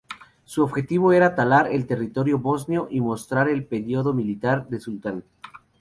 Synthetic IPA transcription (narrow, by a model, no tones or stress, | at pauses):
suoβxe̞t̪iβo̞e̞ɾat̪alaɾe̞lt̪e̞rit̪o̞ɾjo̞βo̞znjo̞ʔimo̞st̪ɾaɾe̞lpe̞ɾjoðomilit̪aɾd̪e̞sult̪an